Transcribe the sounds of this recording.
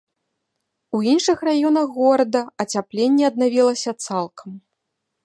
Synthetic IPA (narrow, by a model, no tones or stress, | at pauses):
uinʂɨxrajɔnɐɣːɔɾɐd̪ɐɐt͡sʲaplʲenʲːɛɐd̪̚navʲilˠɐsʲɐt̪salˠkʰɐm